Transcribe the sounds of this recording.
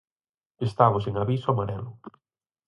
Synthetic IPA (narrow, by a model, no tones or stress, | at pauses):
est̪aβʊseŋaβisoamaɾɛlʊ